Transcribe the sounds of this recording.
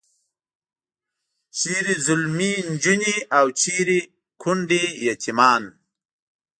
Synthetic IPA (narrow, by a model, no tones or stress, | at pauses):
ɕiɾizulmind͡ʒuniawt͡ʃʰiɾi | kʰuɳɖijat̪ʰimaːn